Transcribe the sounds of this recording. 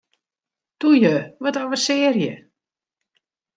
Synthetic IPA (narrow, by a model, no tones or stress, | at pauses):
tujəʋɔtɔʋərsɪːərjə̰